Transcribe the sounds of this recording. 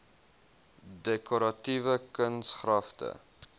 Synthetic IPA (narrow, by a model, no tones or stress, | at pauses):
dɛkoɾɐtivəkənsχrɐftə̰